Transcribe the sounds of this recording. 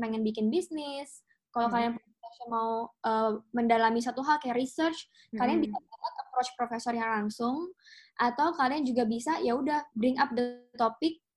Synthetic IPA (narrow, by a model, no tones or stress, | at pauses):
pɛŋɛnbikɪnbisnɪs | kalawkalianp | ɔsjamauʔəːməndalamis̬at̪uɦalkajarɾisərt͡ʃ | kalianbisaaʔat̪̚əpɾot͡ʃpɾofesɔrjaŋlaŋsʊŋʔat̪awkaliand͡ʒuɡabisajaudahbɾɪŋap̚dət̪opɪk̚